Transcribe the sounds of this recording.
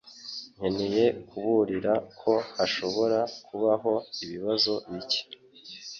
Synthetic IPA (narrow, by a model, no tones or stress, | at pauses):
ŋ̥enije̞kʰuβuɾiɾakʰo̞haʃo̞βo̞ɾakuβaɦo̞iβiβazo̞βice̥